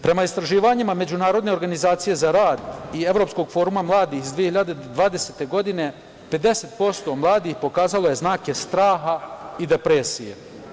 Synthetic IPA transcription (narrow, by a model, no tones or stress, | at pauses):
pɾe̞maist̪ɾaʒiːʋaɲimame̞d͡ʑunaːɾo̞d̪ne̞o̞ɾɡanizaːt̪sije̞zaɾaːd̪ie̞vɾo̞ːpsko̞ɡfo̞ːɾumamlˠaːd̪ixizd̪ʋijehiʎad̪e̞d̪ʋaːd̪e̞set̪e̞ɡo̞d̪ine̞ | pe̞d̪e̞set̪po̞st̪o̞mlˠaːd̪ixpo̞kaːzalo̞je̞znaːke̞st̪ɾaːɦaid̪e̞pɾesije̞̰